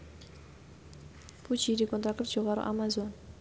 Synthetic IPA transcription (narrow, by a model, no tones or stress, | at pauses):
pʰut͡ʃiɾikont̪ak̪əfʒoʁɑɾə̰ʔa̰mazon